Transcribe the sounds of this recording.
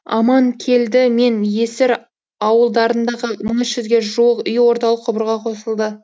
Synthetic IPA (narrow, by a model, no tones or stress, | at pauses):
ɑ̰mɑŋkʲʰe̞ld̪ɪme̞nje̞sɪɾ | ɑwəlˠd̪ɑɾənd̪ɑʁəməɴɪsʒʏzɡʲe̞ʒuwəqʏjwo̞ɾt̪ɑlˠəqʰːʊbəɾʁɑqʰo̞səlˠd̪ə